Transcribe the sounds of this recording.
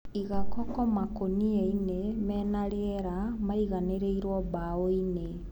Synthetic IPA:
iɣakɔkɔmakonieinemɛnaɾeɛɾamaiɣaneɾeiɾwɔβaoine

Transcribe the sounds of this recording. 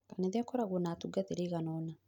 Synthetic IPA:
kanɛðjakɔɾaɣɔnatuɡateɾeɣanɔna

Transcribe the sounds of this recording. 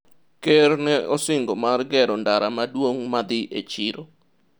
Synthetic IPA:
kernɛɔsɪŋɡomarɡɛɾɔndaɾamadwoŋmad̪ɪʔḛt͡ʃɪɾo

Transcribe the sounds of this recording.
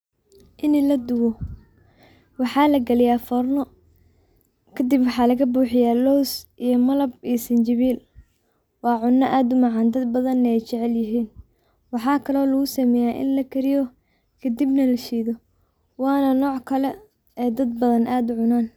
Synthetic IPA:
ʔɪnilɐd̪ʊwɔ | wɑħɑːlɐɡɐlɪjaːfɔrnɔ | kʰɐd̪ɪbwɑħɑːlɐɣɐbuːħɪjaːlɔwsʔijɔmɐlɐbiːsɐnt͡ʃɐβiːl | wɑːʕʊnːɐʔaːd̪ʊmɑʕɑːnd̪ɐd̪bɐðɐnɛjt͡ʃɛʕɛljɪɦiːn | wɑħɑːkʰɐlɔːlɐɣʊsɐmɛːjaːʔɪ̰nlɐkʰɐɾɪjɔ | kʰɐd̪ibnɐlɐʃiːðɔ | wɑːnɐnɔːʕkʰɐlɛ | ɛːd̪ɐd̪̚bɐðɐnʔaːd̪ʊʕʊnaːn

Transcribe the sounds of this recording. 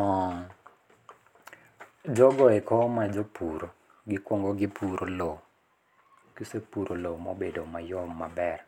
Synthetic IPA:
ɔ | d͡ʒɔɡɔɛkɔmad͡ʒopuɾo | ɡɪkwɔŋɡɔɡɪpʰuɾʔolo | kisepuɾʔolomobedomajɔmːabɛr

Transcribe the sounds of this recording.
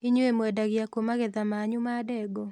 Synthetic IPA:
iɲoemwɛdaɣɪjakomaɣɛðamaːɲʊmadɛɡɔ

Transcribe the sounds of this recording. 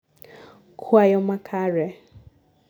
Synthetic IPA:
kʰuajɔmakʰaɾɛ

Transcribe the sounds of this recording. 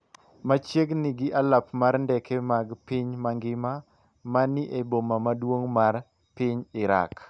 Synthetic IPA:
mat͡ʃjeɡnɪɡɪʔalapmaɾndɛkʰemaɡpɪɲmaŋɡɪma | manɪʔebomamadwoŋmar | pɪɲɪɾa̰k

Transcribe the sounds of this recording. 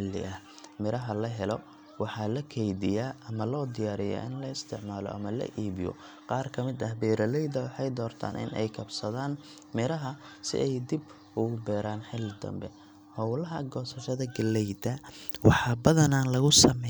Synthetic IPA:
ɪlːɪ̰ʔɐh | mɪɾɐɦɐlɐɦɛlɔ | wɑħɑlɐkʰɛjdɪjaːʔɐmɐlɔːd̪ɪjaːɾɪja̰ːʔɪnlɐɪst̪ʰɪʕmaːlɔ̰ʔɐ̰mɐlɐ̰ʔiːβɪjɔ̰ | qɑːrkʰɐmɪd̪ɐhbɛːɾɐlɛjd̪ɐwɑħɑjd̪ɔːrt̪ʰa̰ːnʔɪ̰nʔɛ̰jkʰɐbsɐðaːn | mɪɾɐɦɐsɪ̰ʔɛjd̪ib | ʔʊɣʊbɛːɾaːnħɪlːɪd̪ɐ̰mbɛ | hɔwlɐɦɐɡɔːsɐʃɐðɐɡɐlɛjd̪ɐwɑħɑbɐðɐnanlɐɣʊsɐmɛ

